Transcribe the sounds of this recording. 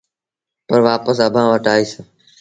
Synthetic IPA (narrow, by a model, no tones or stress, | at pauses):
pəɾʋaːpəsəbʱãːʋəʈaːiːs